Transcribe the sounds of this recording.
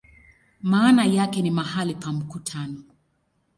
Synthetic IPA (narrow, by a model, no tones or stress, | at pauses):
maːnajakɛnimahalipam̩kutʰanɔ